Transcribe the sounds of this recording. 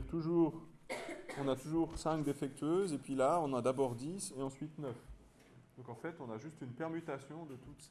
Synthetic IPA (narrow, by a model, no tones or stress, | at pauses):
ʁt̪uʒuːʁ | ɔ̃nat̪uʒuːʁsɛ̃kd̪efɛk̚t̪ʰɥøːzepɥilaɔ̃nad̪abɔːʁd̪iseɑ̃sɥit̪nœf | d̪̥ɔ̃kɑ̃fɛt̪ɔ̃naʒyst̪ynpɛʁmyt̪asjɔ̃d̪ət̪ut̪s